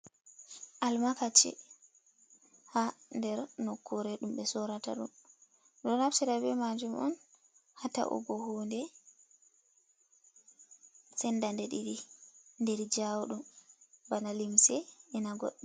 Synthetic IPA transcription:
ʔalmakat͡ʃɛ̰ | handɛɾnɔkʰːuɾɛɗumɓɛsɔɾata̰ɗṵm | ɗɔnaftiɾabɛmad͡ʒumʔɔ̰n | hata̰ʔɔ̰ɡɔhundɛ | sɛndandɛɗiɾindɛɾd͡ʒawɗumbanalimsɛɛnaɡɔɗːɛ

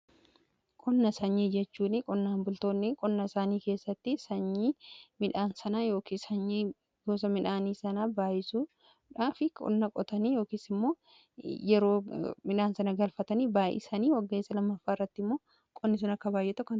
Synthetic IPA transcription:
kʼɔnːɐsɐɲːiːd͡ʒɛt͡ʃːuːnɪkʼɔnːaːnbʊlt̪o̞ːnːɪkʼɔnːɐɪsaːniːke̞ːsːɐt̪ːɪsɐɲːiːmɪᶑaːnsɐnɐjo̞ːkiːsɐɲːiː | ɡoːs̬ɐmɪᶑaːniːsɐnaːbaːjɪsu | ᶑaːfɪkʼɔ̰nːɐkʼɔt̪ɐniːjo̞ːkiːsɪmːo̞ː | jɛɾo̞ːmɪᶑaːnsɐnɐɡɐlfɐt̪ɐniːbaːjɪ̰sɐniːwɐɡːe̞ːsːɐlɐmːɐfːaːɪrːɐt̪ːɪmːo̞ː | kʼɔnːɪs̬ɐnɐkːɐbaːjːɛt̪ɔkːɐn

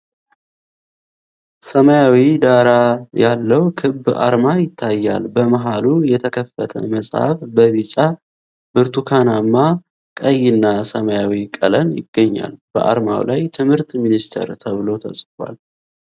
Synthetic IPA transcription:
səməjawid̪aɾajalːəwkʰɨbːa̰ɾmajɪt̪ʰːajːa̰lbəməɦalujɛt̪ʰəkʰəfːət̪ʰə̰məsʼha̰fbəβit͡ʃʼa | bɨɾt̪ʰukʰanamːa | kʼəjːɪnːasəməjawikʼələmjɪ̰ɡ̥ːəɲːa̰lb̥ə̰ʔa̰ɾma̰wlʔajt̪ʰɨmhɨɾt̪minist̪ʰə̰ɾt̪ʰəβɨlo̞t̪ʰə̰sʼfwa̰l

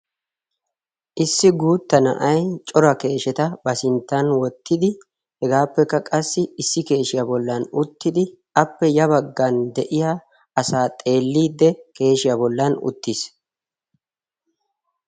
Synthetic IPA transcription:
ʔɪsːɪɡuːt̪ːɐnɐ̰ʔɐjt͡ʃʼɔɾɐke̞ːʃɛt̪ɐbɐsɪnt̪ːɐnwɔt̪ːɪd̪ɪ | hɛɡaːpːɛkːɐkʼɐsːɪɪsːɪke̞ːʃɪjɐbɔlːɐnʊt̪ːɪd̪ɪ | ʔɐpːɛjɐβɐɡːand̪ɛʔɪja | ɐsaːt̪ʼe̞ːlːiːd̪ːɛke̞ːʃɪjabɔlːɐnʊ̰t̪ːis

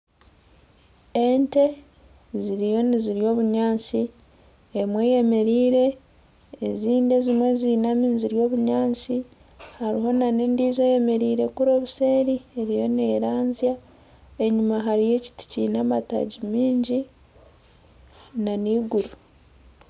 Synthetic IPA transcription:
ente̞ | ziɾijo̞niziɾjo̞ːβuɲaːnt͡si | emwe̞jeme̞ɾiːɾe̞ː | ziːnde̞zimwe̞zinamiːziɾjo̞ːβuɲaːnt͡si | haɾiɦo̞naneːndiːze̞je̞me̞ɾiːɾe̞kuɾo̞ːβuse̞ːɾie̞ɾijo̞neːɾaːnzja | eɲumaɦaɾije̞ci̥ti̥cinamata̰ɟimiːɲɟi | naniːɡuɾu

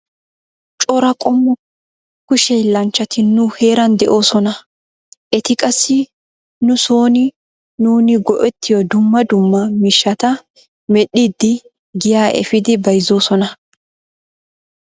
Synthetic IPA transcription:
t͡ʃʼɔɾɐkʼɔmːɔ | kʊʃɛjlɐnt͡ʃːɐt̪ɪnːʊhe̞ːɾɐnd̪ɛʔo̞ːsɔnɐ | ʔɛt̪ɪkʼɐsːɪ | nʊso̞ːnɪ | nuːnɪɡɔʔɛt̪ʰːɪjɔd̪ʊmːɐd̪ʊmːɐmɪʃːɐt̪ɐ | mɛɗɪd̪ːɪ | ɡɪjaːʔɛ̰fɪd̪ɪbɐjzo̞ːsɔnɐ

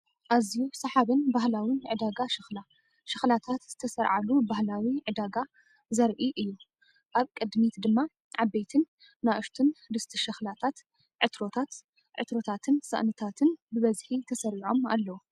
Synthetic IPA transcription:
ʔazijusɐħaβɨnbahlawinʕɨd̪aɡaʃɨxla | ʃɨxlat̪ʰat̪z̥ɨt̪ʰɐsɐɾʕalubahlawiʕɨd̪aɡa | zɐɾʔiʔɨjːu | ʔaβkʼɨd̪mit̪d̪ɨmːa | ʕabːejt̪ʰɨnː | aʔɨʃt̪ʰɨndɨst̪ʰɨʃɐxlat̪ʰat̪ | ʕɨt̪ɾo̞t̪ʰat̪ | ʕɨ̰t̪ɾo̞t̪ʰat̪ʰɨnsɨ̰ʔnɨt̪ʰat̪ʰɨnbɨβɐzħit̪ʰɐsɐɾiʕo̞ma̰lːɐwu

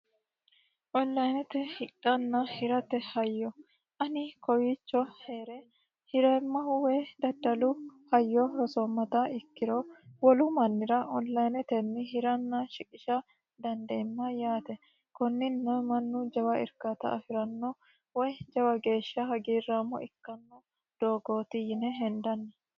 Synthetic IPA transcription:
ʔɔnːɐjnɛt̪ɛhɪɗɐnːɐhɪɾɐt̪ɛhɐjːɔ | ʔɐnɪkɔjit͡ʃːɔheːɾɛ | hɪɾɛmːɐhʊwɛjd̪ɐd̪ːɐlʊhɐjːɔhɔsɔmːɐt̪ɐɪkːɪɾɔwɔlʊmɐnːɪɾɐʔɔlːɐjnɛt̪ɛnːɪhɪɾɐnːɐʃɪkʼɪʃɐ | d̪ɐnd̪eːmːɐjaːt̪ɛ | kɔnːɪnːɔmɐnːʊd͡ʒɐwɐɪ̰ɾkat̪ɐ̰ɐfɪɾɐnːɔ | wɔjd͡ʒɐwɐɡe̞ːʃːɐhɐɡiːrːaːmːɔ̰ʔɪkːɐnːɔ | d̪̥o̞ːɡo̞ːt̪ɪjɪnɛɦɛnd̪ɐnːɐ

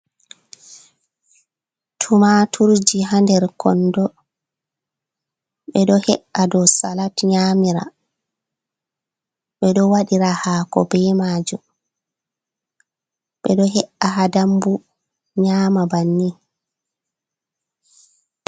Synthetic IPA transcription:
tʰumatʰuɾd͡ʒiɦandɛɾkʰɔndɔ | ɓɛɗɔhɛʔadɔsalatɲaːmiɾa̰ | ɓɛɗɔwaɗiɾahakɔ̰bɛmaːd͡ʒum | ɓɛɗɔɦɛʔaɦadambu | ɲaːmabanːi

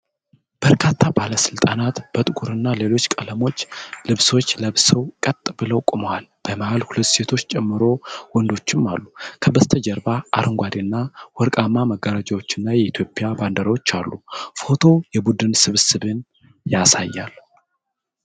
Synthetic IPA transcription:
b̥əɾkʰat̪ʰːabaləsɨlt̪ʼanat̪b̥ət̪ʼɨkʼuɾɨnːale̞lo̞t͡ʃːkʼələmo̞t͡ʃːlɨβso̞t͡ʃːləβsəwkʼət̪ʼːbɨləwkʼʊmowalb̥əmahalhulət̪ːse̞t̪ʰo̞t͡ʃːt͡ʃʼɛmːɨɾo̞wɔnd̪o̞t͡ʃːɪmːalːukʰəbəst̪ʰəd͡ʒəɾbaʔa̰ɾʔɨŋɡʷad̪enːawɔɾkʼamːaməɡːəɾad͡ʒawo̞t͡ʃːɪnːajɛit̪ʰjo̞pʼɪjaband̪əɾəwot͡ʃːalːufo̞t̪ʰo̞jɛbud̪ɨnsɨβsɨβɨn | jasajːal

